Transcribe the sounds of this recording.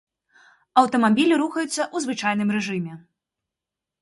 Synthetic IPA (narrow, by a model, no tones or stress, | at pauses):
ɐwt̪ɐmabʲilʲiɾuxɐjut̪sːɐʔuzvɨt͡ʂajn̪ɨmɾɛʐɨmʲɛ